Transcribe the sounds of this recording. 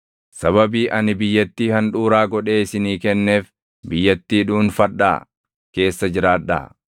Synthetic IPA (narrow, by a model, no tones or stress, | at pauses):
sɐβɐbiːʔɐnɪbɪjːɐt̪ːiːhɐnᶑuːɾaːɡɔᶑe̞ːɪsɪniːkɛnːe̞ːf | bɪjːɐt̪ːiːᶑuːnfɐᶑːa̰ː | ke̞ːsːɐd͡ʒɪɾaːᶑa̰ː